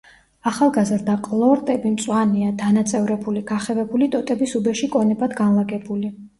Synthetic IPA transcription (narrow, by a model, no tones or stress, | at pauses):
aχalˠɡazɾd̪aqʼlˠɔɾt̪ʼɛbimt̪sʼwaniad̪anat̪sʼɛvɾɛbuliɡaχɛvɛbulit̪ʼɔt̪ʼɛbisubɛʃikʼɔnɛbad̪ɡanlˠaɡɛbuli